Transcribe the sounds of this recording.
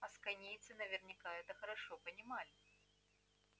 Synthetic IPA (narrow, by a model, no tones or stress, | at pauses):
ɐskanʲijt̪sɨnɐvʲɛrnʲɪkaɛt̪ɐxɐɾaʂɔpɐnʲɪmalʲɪ